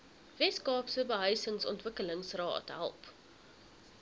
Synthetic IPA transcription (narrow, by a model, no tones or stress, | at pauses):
vɛskɑːpsəbəɦəɥsəŋsɔ̰ntvəkələŋsrɑ̰ːtɦæ̰lˠp